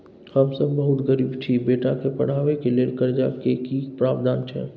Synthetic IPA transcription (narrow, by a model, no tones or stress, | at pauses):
həmsəbːəɦʊt̪ɡəɾiːbt͡ʃʰibeːʈakepɐɽ̤aːʋekelekəɾd͡ʒa̰kekipɾaːbd̪aːnt͡ʃʰɛ̰